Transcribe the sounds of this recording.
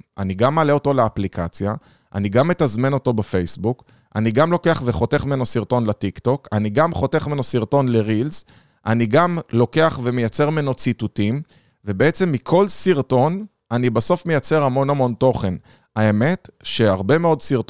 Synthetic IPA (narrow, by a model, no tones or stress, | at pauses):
ʔaniɡamːaːle̞o̞to̞leaplikat͡sja | ʔa̰niɡamːet̪azme̞no̞t̪o̞befe̞jsbuk | ʔa̰niɡamlo̞ke̞aχveχo̞t̪eχmenosiʁt̪o̞nlet̪ikt̪o̞kaniɡamχo̞t̪e̞χmenosiʁt̪onle̞ʁilz | ʔa̰niɡamlo̞ke̞aχve̞mejat͡se̞ʁmeno̞t͡sit̪utim | ve̞beet͡se̞mːikʰo̞lsiʁto̞n | anibaso̞fme̞jat͡se̞ʁhamo̞namo̞nt̪o̞χe̞n | ae̞me̞tʃe̞aʁbe̞me̞o̞dsiʁt